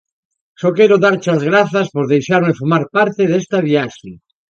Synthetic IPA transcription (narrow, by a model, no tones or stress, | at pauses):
sokeɾoðaɾt͡ʃazɣɾaθaspoɾðejʃaɾmefomaɾpaɾt̪eðest̪aβjaʃe